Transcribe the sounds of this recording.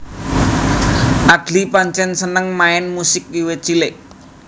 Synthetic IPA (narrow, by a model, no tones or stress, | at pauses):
ʔad̥lipaɲt͡ʃɛnsənəŋmaɛnmusɪk̚wiwet͡ʃileʔ